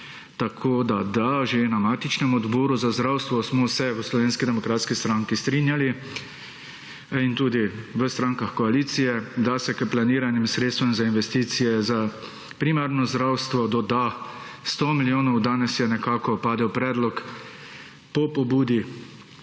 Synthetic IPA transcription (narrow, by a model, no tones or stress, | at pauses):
t̪akʰoːd̪ad̪aʒenamaːt̪it͡ʃnɛmɔd̪bɔːɾuzazd̪ɾawst̪ʋɔsmɔsɛʋəslɔʋeːnskid̪ɛmɔkɾaːt̪skist̪ɾaŋkist̪ɾinjali | int̪uːd̪iʋəst̪ɾãŋkaxkɔaliːt̪sijɛd̪asɛkəplaniːɾanimsɾeːt̪st̪ʋɛmzainʋɛst̪iːt̪sijɛza | pɾimaɾnɔzd̪ɾawst̪ʋɔd̪ɔd̪a | st̪ɔmiljoːnɔwd̪aːnɛsjɛnɛkaːkɔpaːd̪ɛwpɾɛːd̪lɔk | pɔpɔbuːd̪i